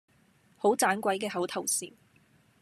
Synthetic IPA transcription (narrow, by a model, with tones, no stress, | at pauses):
ho˨˥wt͡saː˨˥nkʷɐ˨˥jkɛː˧ɦɐ˨˥wt̪ʰɐ˨˩wsḭː˨˩n